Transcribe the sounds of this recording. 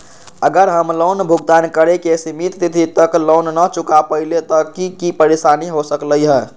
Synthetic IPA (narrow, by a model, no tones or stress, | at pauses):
əɡəɾɦəmlonbʱuɡ̚d̪ankəɾekesimit̪t̪it̪ʰit̪əklonːət͡ʃukapəilet̪ɔkikipəɾesaniɦosəkləjɦə